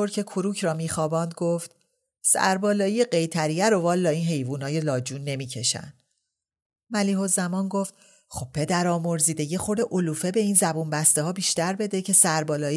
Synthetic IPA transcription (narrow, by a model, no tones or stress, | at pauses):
oɾcʰe̞kʰuɾuːcʰɾɒːmiːxɒːbɒːnd̪̚ɡoft̪ | sæ̰ɾbɒːlɒːijeɢe̞jt̪ʰæɾijæɾovɒːlːɒːiːnɦe̞jvuːnɒːje̞lɒːd͡ʒuːnːe̞miːcʰe̞ʃæ̰nd̪̥ | mæliːho̞zæmɒːnɡo̞ft̪ | xo̞b̚pʰe̞d̪æɾɒːmo̞ɾziːd̪e̞je̞xoɾd̪e̞ʔoluːfe̞beiːnzæbunbæst̪eɦɒːbiːʃt̪æɾbe̞d̪e̞cʰe̞sæɾbɒːlɒːi